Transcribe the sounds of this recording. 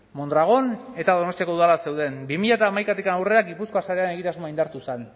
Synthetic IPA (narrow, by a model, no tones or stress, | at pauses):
mo̞nd̪ɾaɣ̞o̞ne̞t̪aðo̞no̞st̪jako̞uðalase̞wðe̞nbimiʎat̪aːmajkat̪ikanawre̞aɡipusko̞asaɾe̞ane̞ɣ̞it̪azmoaind̪aɾt̪usen